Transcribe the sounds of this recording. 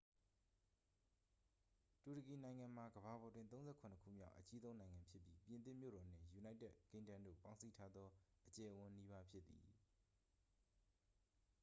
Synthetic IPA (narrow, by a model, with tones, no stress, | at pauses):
tu˨ɾə˨ki˨nã˨ɪ̃ŋã˨m̥a˨ɡəba˨bɔ˨dwɪ̃˦nt̪õ˦ʊ̃zɛ˦˨kʰʊ̃˨nəkʰṵ˦˨mja̰˦ʊʔət͡ɕi˦zõ˦ʊ̃nã˨ɪ̃ŋã˨mpʰjɪ˦pji˦pjɪ̃˨nt̪̬ɪ̰̃˦˨mjo̰˦˨ɾɔ˨n̥ɪ̰̃˦˨ju˨na˦ɪtɛ˦ʔkẽ˦ndã˦˨ndo̰˦˨pã˦ʊ̃nsi˦˨tʰa˦d̪ðɔ˦ʔət͡ɕɛ˨ʔəwʊ̃˨ni˦βa˦pʰjɪ˦t̪ːḭ˨